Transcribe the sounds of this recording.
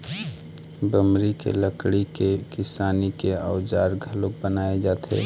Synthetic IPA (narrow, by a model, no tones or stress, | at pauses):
bəmɾikḛləkɽikekɪsaːnikeaːʊd͡ʒaːɾɡʱəlʊk̚bənaːed͡ʒaːt̪ʰḛː